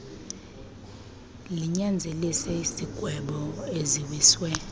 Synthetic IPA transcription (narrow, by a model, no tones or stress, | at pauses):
liɲand͡zʱelisɛisiɡ̥ʱwɛɓɔeziwiːswɛ